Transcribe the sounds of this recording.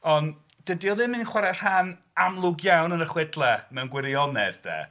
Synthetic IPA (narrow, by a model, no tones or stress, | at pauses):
ɔn | d̥ədiɔðɪmɨnχwaɾɛr̥han | amlˠʊɡjawnənəχwɪdlˠɛmɛwnɡwɪɾiɔnɛððɛ̰